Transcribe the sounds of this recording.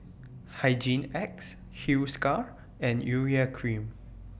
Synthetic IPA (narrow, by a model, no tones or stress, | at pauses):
hajd͡ʒĩnɛks | huskaɹ | ɛ̃njuɹiakʰɹĩm